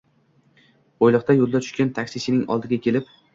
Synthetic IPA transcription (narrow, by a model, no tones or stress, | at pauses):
ojlˠɨq̚t̪ajolˠd̪at̪ʰʊ̥ʃkʲant̪ʰakʲsɪsɪnɪŋɒ̰lˠd̪ɪɡʲakʲʰe̞lɪp̚